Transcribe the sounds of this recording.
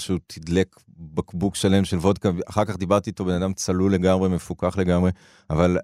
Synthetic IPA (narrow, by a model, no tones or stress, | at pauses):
ʃut̪ʰidlek | bakbukʃale̞mʃe̞lvo̞d̪kaaχaʁkaχd̪ibaʁt̪iːt̪o̞be̞nad̪amt͡salule̞ɡamʁeme̞fukaχle̞ɡamʁe̞ | aval